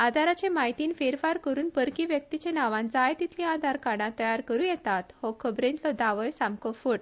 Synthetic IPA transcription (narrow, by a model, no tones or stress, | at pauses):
ad̪ʱaɾat͡ɕẽmaɦit̪iːnfeɾfaɾkəɾuːnpəɾkiʋjək̚t̪it͡ɕẽnaʋãnt͡sajt̪it̪ʰlĩad̪ʱaɾkaɽ̃ãt̪əjaɾkəɾũjɛt̪at̪hɔkʰəbɾẽnt̪lɔd̪aʋəjsãmkɔfuɽ